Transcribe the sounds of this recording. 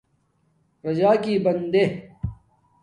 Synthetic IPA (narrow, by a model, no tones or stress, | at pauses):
ɾɐd͡ʑaːkiːbɐnd̪e